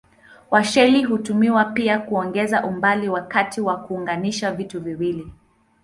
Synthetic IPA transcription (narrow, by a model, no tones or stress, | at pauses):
waʃɛliɦutumiwapiakuɔŋɡɛzaʔumbaliwakatiwakuːŋɡaniʃavituviwili